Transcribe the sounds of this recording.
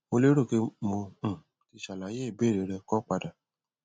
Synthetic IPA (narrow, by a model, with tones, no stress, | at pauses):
o˧le˦ɾo˦˨ke˧mõ˧˨ | ki˧ʃa˨la˨je˦˨be˦˨ɾe˨ɾɛ˧kɔ˦k͡pa˧da˨